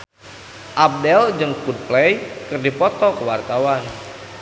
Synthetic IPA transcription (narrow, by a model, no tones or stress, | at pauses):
ʔap̚dɛld͡ʒɨŋkud̚plɛjkɨrdipɔt̪ɔkəwart̪awan